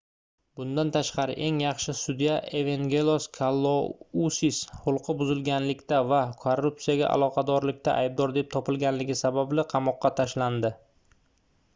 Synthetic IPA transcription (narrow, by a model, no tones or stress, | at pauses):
b̥ʊnd̪ant̪ʰaʃqɑɾɪ̰ʔe̞ŋjɑχʃɪsʊd̪ijaʔeveŋɡʲelˠoskʰalˠːousishʊlˠqʰɨbʊzɪlɡʲanlɪkʲt̪avakʰorːup̚tsijaɡʲa̰ʔa̰lˠɒqʰɑd̪ɒɾlɪk̚ʲt̪ʰa̰ʔa̰jb̚d̪ɒɾd̪e̞p̚t̪ʰɒpɪlɡʲanlɪɡʲɪsabablɪqʰɑmɒqːɑt̪ʰaʃland̪ɪ